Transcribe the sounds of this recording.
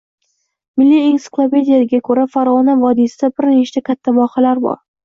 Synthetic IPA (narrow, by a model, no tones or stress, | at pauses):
mɪlːiensɪ̥klˠape̞d̪ijaɪɡʲakʰɵɾafaɾʁɒnavɒd̪isɪd̪abɪɾneʃɪ̥t͡ʃʰakʲʰat̪ʰːavɒqɑlaɾbɒ̰ɾ